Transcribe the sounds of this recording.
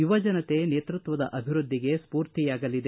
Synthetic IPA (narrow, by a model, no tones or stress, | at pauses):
juʋɐd͡ʒɐnɐt̪e̞neːt̪ɾut̪ʋɐd̪ɐ̰ʔɐbʱiɾud̪ʱːiɡe̞spuːɾt̪ijaːɡɐlid̪e